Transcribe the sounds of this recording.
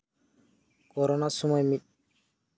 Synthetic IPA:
kɔɾɔnasumajmi

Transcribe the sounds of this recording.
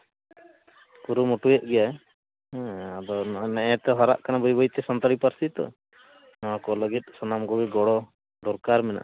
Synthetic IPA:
kuɾumɔʈujɛʔ̪̚ˀɡɛjaɛ̃ | ad̪ɔnɛʔɛt̪ɛɦɔɾa̰ʔkanabɔjbɔjt̪ɛsɔnt̪ɔɽipaɾsit̪ɔ̰ | nɔwakɔləɡit̪̚sɔnamɡɔɡiɡɔɽɔ | d̪ɔɾkaɾmɛna̰ʔ

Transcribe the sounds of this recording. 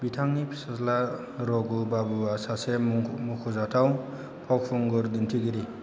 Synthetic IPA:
bitʰaŋnipʰsʌsla | ɾɔɡubabuasasemukʰuzatʰaw̃ | pʰɔk̚pʰuŋɡɔɾd̪intʰiɡiɾi

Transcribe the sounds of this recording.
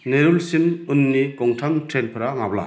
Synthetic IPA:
neɾulsinunːikɔŋtʰamtʰɾelpʰɯɾaŋabla̰

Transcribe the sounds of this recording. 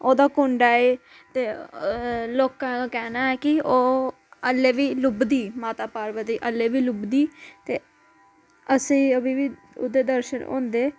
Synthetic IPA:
oːd̪aːkʊɳɖaːeː | t̪eː | loːkãːkɛːnaːɛːkɪoː | əlːeːʋiːlʊbd̪iːmaːt̪aːpaːɾʋət̪iːʔəlːeːʋiːlʊbd̪iːt̪eː | əsĩːəbiːʋiː | ʊ̰d̪eːd̪əɾʃənõ̰ːnd̪eː

